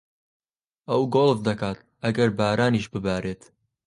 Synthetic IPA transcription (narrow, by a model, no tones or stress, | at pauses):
ɐwɡoːlˠvd̪ɐkaːt̪ | ʔɐɡɐɾbaːɾaːniːʃbɨbaːɾeːt̪